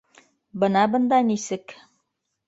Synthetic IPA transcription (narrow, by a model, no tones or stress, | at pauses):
bɤ̆nɑbɤ̆nd̪ɑnisɘk